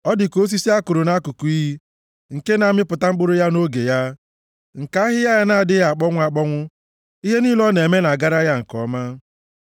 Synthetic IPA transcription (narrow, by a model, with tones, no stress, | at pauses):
ɔ˦dɪ˨ko˦s̬i˦si˦a˦kʊ˨ɾʊ˨na˦ku˨ku˨i˦ɦi˦ | ŋ̩˨ke˦na˨mɪ˦pʊ˨ta˦ŋ͡m̩˦k͡pʊ˦ɾʊ˦ja˦no˦ɡe˨ja˦ | ŋ̩˨ka˦ɦɪ˦ja˦ja˦na˨a˨dɪ˦ɣa˨k͡pɔ˦ŋʷ˦a˨k͡pɔ˦ŋʷʊ˦ | i˦ɦe˦niː˦lɔ˦ne˨me˦na˨ɡa˦ɾa˦ja˦ŋ̩˨kɔ̰˦ma˦